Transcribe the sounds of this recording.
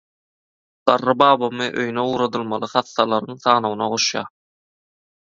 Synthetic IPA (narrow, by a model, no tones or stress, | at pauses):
d̪̥ɑrːɯbɑːβɑmɯʔø̰jyneuːɾɑd̪ɯlˠmɑlˠɯχɑθːɑlˠɑɾɯŋθɑːnownɑ̰ʁoʃjɑ̰ː